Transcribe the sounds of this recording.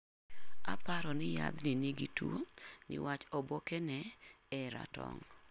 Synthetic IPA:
a̰paɾɔnɪja̰d̪nɪniɡituonɪ̰wat͡ʃɔbokɛnɛ | ɛɾa̰tɔ̰ŋ

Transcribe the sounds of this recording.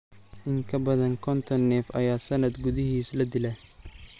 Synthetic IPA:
ʔɪŋkʰɐbɐðɐŋkʰɔnt̪ʰɔnːɛːfɐ̰jaːsɐnɐd̪ɡʊðɪɦiːslɐd̪ɪlɐ

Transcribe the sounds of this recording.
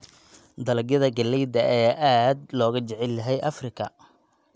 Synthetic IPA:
d̪ɐlɐɡjɐðɐɡɐlːɛjd̪ɐʔɛʔaːd̪lɔːɣɐt͡ʃɛʕɛljɐɦɛjʔɐfrɪkʰɐ̰

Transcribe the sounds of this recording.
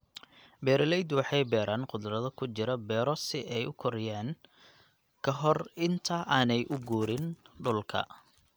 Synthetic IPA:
bɛːɾɪlɛjd̪wɑħɑjbɛːɾaːnqʊd̪rɐðɐkʰʊt͡ʃɪɾɐbɛːɾɔsɪʔɛjʊkʰɔɾɪjaːn | kʰɐɦɔrɪnt̪ʰɐʔaːnɛjʔʊɡuːɾɪnɖʊlkʰɐ̰

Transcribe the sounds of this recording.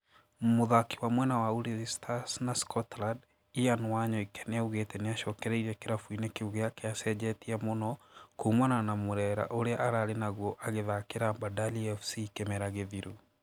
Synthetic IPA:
moðaki̥wamwɛnawauɾizistʰasnaskɔtlad | ianwaɲɔikɛ̥neauɣetɛneaʃɔːkɛɾɛiɾɛkeɾafuinekeuɣeakeasɛd͡ʑɛtiamonɔkumananamoɾɛɾa̰ʔoɾeaʔaɾaːɾenaɣwɔʔaɣeðakeɾambadaliɛfsikemɛɾaɣeðiɾu

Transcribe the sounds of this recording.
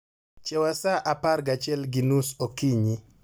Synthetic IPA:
t͡ʃɛwasaʔaparɡat͡ʃɛlɡinusokiɲi

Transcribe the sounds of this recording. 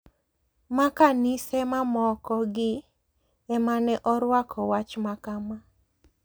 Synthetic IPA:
makanɪsɛmamɔkɔɡɪ | ɛmanɛʔɔɾwakʰɔwat͡ʃmakama

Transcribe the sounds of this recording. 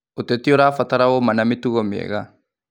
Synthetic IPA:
ut̪et̪ioɾafat̪aɾawomanamit̪uɣɔmiḛɣa

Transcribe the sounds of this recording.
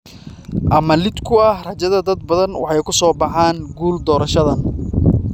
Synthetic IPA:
ʔɐmɐlɪd̪kʰʊɐhrɐt͡ʃɐðɐd̪ɐd̪̚bɐðɐnwʔɑ̰ħɑjkʰʊsɔːbɑħaːŋɡuːld̪ɔːɾɐʃɐðɐn

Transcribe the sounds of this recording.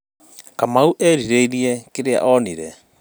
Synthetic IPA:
kamauʔɛɾiɾeiɾiɛkeɾea̰ʔɔniɾɛ

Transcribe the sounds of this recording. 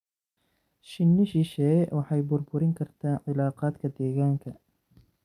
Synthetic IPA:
ʃɪnːɪʃɪʃɛːwʔɑħɑjbʊrbʊɾɪŋkʰɐrt̪ʰaːnʕɪlaːqɑːd̪kʰɐd̪ɛːɣaːŋkʰɐ

